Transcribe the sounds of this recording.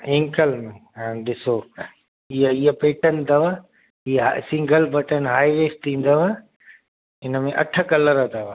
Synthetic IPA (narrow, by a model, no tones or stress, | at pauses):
ɪ̃ŋkəlmẽãːɗɪso | iəiəpeːʈənɪ̆t̪ɐʋə | iɦasɪ̃ŋɡəlbʱɐʈənɦaːiʋeːsʈĩːn̆d̪əʋa | ɪnəmẽʔɐʈʰə̆kɐləɾət̪ʰɐʋə